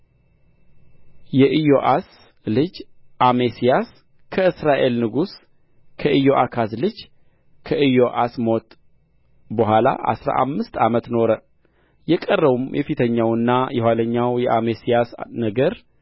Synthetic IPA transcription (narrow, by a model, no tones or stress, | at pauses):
jɛʔɨjoʔas | lɨd͡ʒʔamesijas | kʰəɨsɾaʔe̞lnɨɡus | kʰəʔɨjoʔakʰaslɨd͡ʒ | kʰəʔɨjoʔasmo̞t̪ | bəɦʷala̰ʔa̰sɾa̰ʔa̰mːɨst̪amət̪no̞ɾə | jɛkʼərːəβumjɛfit̪ʰəɲːawɨnːajɛɦwaləɲːawjɛʔamesijasnəɡəɾ